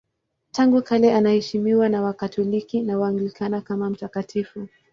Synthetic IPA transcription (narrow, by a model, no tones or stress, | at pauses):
taŋɡukalɛanahɛʃimiwanawakatʰɔlikinawaːŋɡlikʰanakamam̩takatʰifu